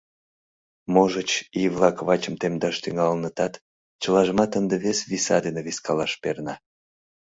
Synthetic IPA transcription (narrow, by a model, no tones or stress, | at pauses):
moʒət͡ɕiβlɑkβɑt͡ɕəmt̪emd̪ɑʃt̪yŋɑlnət̪ɑt̪ | t͡ɕəlɑʒəmɑt̪ənd̪eβesβisɑd̪eneβiskɑlɑʃpernɑ